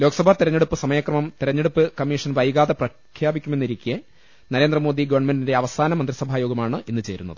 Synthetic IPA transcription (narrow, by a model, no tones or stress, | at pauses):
loːɡɐsɐbʱaːt̪iɾɐɲːeɽupːɨsɐmɐjaːkrɐmɐmt̪iɾɐɲːeɽupːɨkɐmːiːʂɐnʋɐjɣaːðɐprɐ | kʰjaːbikʲːumenːiɾikʲːe | nɐɾeːnd̪rɐmo̞ːd̪iɡɐʋɐɳmendindeɐʋɐsaːnɐmɐnd̪risɐbʱaːjoːɡɐmaːɳɨʔinːɨt͡ɕe̞ːɾṵnːɐ̰ðɨ